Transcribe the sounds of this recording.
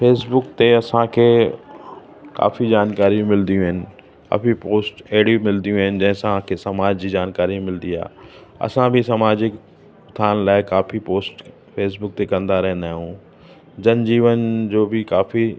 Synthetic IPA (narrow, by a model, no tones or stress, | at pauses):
feːsbʊkt̪eɐsãkʰeː | ka̰ːfid͡ʑaːnkaːɾiũmɪld̪ijũɦɪnɪ̆ | ɐ̰ːfipoːsʈɛɦɪɽiũmɪld̪ijũɦɪnɪ̆d͡ʑɐ̃ɦɪ̃sãkʰesɐmaːd͡ʑd͡ʑiːd͡ʑaːnkaːɾĩmɪld̪ia̰ːɐ̰sãbʱɪsɐmaːd͡ʑɪk | t̪ʰaːnlaːɪkaːfipoːsʈ | pʰeːs̬bʊk̚t̪ekɐ̃nd̪aɾɛɦɪ̃nd̪aːɦjũ | d͡ʑɐnd͡ʑiːʋənd͡ʑoːbʱɪkaːfi